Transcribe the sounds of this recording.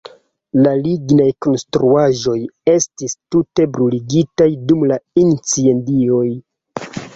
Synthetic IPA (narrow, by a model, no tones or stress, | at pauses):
laliɡnajko̞nstɾuaʒo̞je̞stistute̞bɾuliɡitajdumlaint͡sie̞ndio̞j